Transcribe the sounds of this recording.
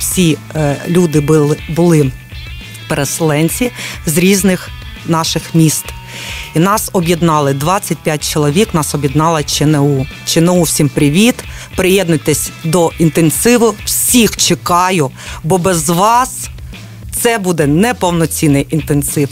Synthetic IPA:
wsʲi | lʲud̪ɪbʊlˠɪ | peɾeselˠɛnʲt͡sʲizɾʲiznɪx | nɑʃɪxmʲist̪ | inɑsɔbʲjiɛd̪nɑlˠɪd̪ʋɑt͡sʲːɐt̚ʲpʲjat̚ʲt͡ʃɔlˠɔʋʲiknɑsɔbʲjid̪nɑlˠɐt͡ʃɪnɛut͡ʃɪnɛuwsʲimpɾʲɪʋʲit̪pɾɪjɛd̪nɐt̪ɛsʲd̪ɔint̪ensɪʋʊwsʲixt͡ʃekɑjʊbɔbɛzʋɑs | t̪sɛbud̪ɛnɛpɔwnɔt͡sʲinɪjʔint̪ensɪw

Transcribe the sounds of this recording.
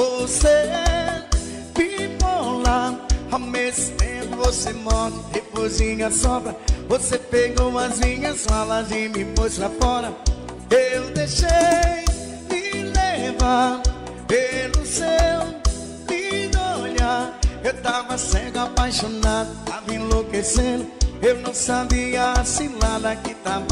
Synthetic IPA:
vose | vivolaʊawmezʊt̪ẽpʊvosemɔtɪd̪epozĩɲɐsɔbɾɐvosepeɡomɐzĩɲɐsalazĩmĩpojslafɔɾɐ | ewd̪eʃej | ɪlevad̪ʊ | pelʊsew | id̪oʎaewt̪avɐsẽkapajʃonad̪ʊt̪avɐĩlokesẽd̪ʊewnɐ̃w̃sabiɐsĩnad̪ɐkɪt̪av

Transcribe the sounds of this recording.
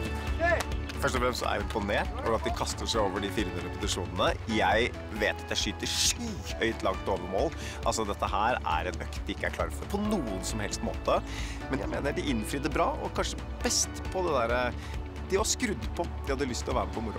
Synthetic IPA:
fœʂʈɔfɾɛmssɔʔæ̰ɾjɪmpʊneːʈɔɑt̪̚d̪ɪkʰɑst̪əʂæɪoːʋəɖɪfɪɾmnəɾəpʊsɪʂuːnənəjæɪ | ʋeːt̪ɑt̪̚d̪ɛʂyːt̪əʂyːœʏt̪lɑŋt̪oːʋəɾmoːl | ʔɑ̰lsɔd̪ɛt̪ːəɦæːɾæ̰ɾɛnœkt̪d̪ɪɪkːəæ̰ɾkʰlɑ̰ːɾəfɔɾpʰɔnuːənsɔmhɛlst̪mo̰ːt̪ə | mɛnjæɪmeːnəɖɪʔɪnfɾiːd̪əbɾɑːɔ̰kʰɑnʂə | bɛst̪pʰɔd̪ɛd̪æːɾə | d̪̥ɪʋɑskɾʉd̪ːpʰɔd̪ɪhɑd̪ːəlʏst̪ʰːɪlɔʋæːɾəpʰɔmʊɾʊ̰

